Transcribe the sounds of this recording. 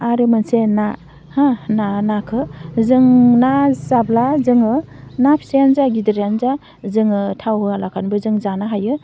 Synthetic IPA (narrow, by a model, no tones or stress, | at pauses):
aɾɯmɯnsena | hananakʰɯzɯŋnazablazɯŋɯnapʰi̥sejanzaɡidɯɾjanza | zɯŋɯtʰawɦɯalakʰanbɯzɯŋzanaɦajɯ